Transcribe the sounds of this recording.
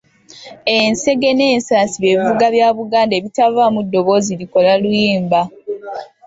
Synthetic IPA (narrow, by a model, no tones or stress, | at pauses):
e̞nse̞ɡe̞ne̞ːnsaːsiβeːβivuɡaβjaːβuɡaːnde̞ːβitavaːmudːo̞βo̞ːziliko̞lalujiːmba